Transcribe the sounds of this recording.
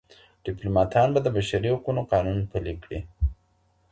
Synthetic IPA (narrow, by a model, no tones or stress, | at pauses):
ɖ̥ɪplomɑt̪ʰɑnbad̪əbaʃaɾihaqunoqɑnunpəlikɽi